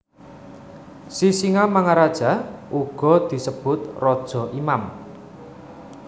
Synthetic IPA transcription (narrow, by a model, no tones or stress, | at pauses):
sisiŋamaŋaɾad̥ʒ̥a̤ʔuɡ̥ɔ̤d̪̥i̤səb̥ʊt̪rɔd̥ʒ̥ɔ̤ʔimam